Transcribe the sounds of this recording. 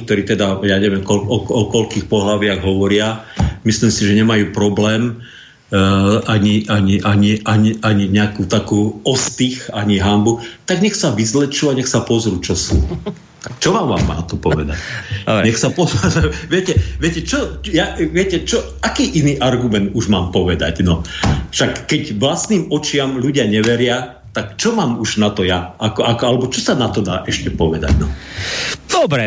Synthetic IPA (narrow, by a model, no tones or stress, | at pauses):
k̚t̪ɔɾiːt̪ɛd̪ajaɲɛʋɪɛmkɔɔkɔkɔʎkiːxpɔɦlaʋɪaɣɦɔʋɔɾɪamislimsiʒɛɲɛmajuːpɾɔblɛːm | ʔaɲiʔaɲiʔaɲiʔaɲiaɲiɲɛakuːt̪akuːɔst̪ixaɲiɦambut̪aɡɲɛxsaʋizlɛt͡ʃuaɲɛxsapɔzɾut͡ʃɔsṵ | t͡ʃɔʋaːmʋa̰ːmːa̰ːt̪ɔpɔʋɛd̪a̰cɲɛxsapɔzazɾʋɪɛcɛʋɪɛcɛt͡ʃɔjaʋɪɛcɛt͡ʃɔ | akiːʔiniːʔaɾɡumɛnd̪uʒmaːmpɔʋɛd̪a̰ɟnɔfʃakːɛcʋlasniːmɔt͡ʃɪamʎuɟɪaɲɛʋɛɾɪa | t̪akt͡ʃɔmaːmuʒnat̪ɔjaakɔakɔalɛbɔt͡ʃɔsanat̪ɔd̪a̰ːʔɛʃcɛpɔʋɛd̪a̰ɟnɔ | d̪̥ɔbɾɛ